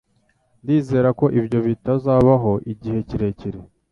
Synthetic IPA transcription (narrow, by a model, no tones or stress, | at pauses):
ndiːze̞ːɾako̞ʔibjo̞βitazaːβaɦo̞ʔiɟihe̞ciɾe̞ciɾe